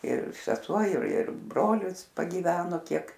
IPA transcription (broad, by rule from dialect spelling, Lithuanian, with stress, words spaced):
ɪr sʲɛˈsuɔ ɪr ɪr ˈbroːlʲɪs pɐɡʲiːˈʋʲæːnoː ˈkʲiɛk